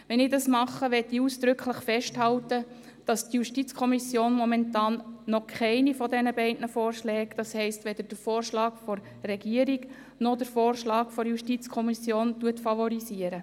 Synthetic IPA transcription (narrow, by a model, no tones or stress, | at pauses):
ʋɛnɪdɑsmɑχːəʋɛtiuːsd̥̪ɾʏkʰləχfɛʃthɑltə | d̥ɑstjuʃtit͡skʰɔmisjoːnmɔmɛntɑːnnɔkʰχɛɪnifɔdɛnəbɛɪdnəfoːrʃlɛːkd̥ɑshɛɪstʋɛd̪əɾd̥əɾfoːrʃlɑːkfɔr | rɛɡiːəɾiɡ | nɔd̥əɾfoːrʃlɑːkfɔɾjuʃtit͡skʰɔmisjoːntuətfɑvɔɾisiəɾə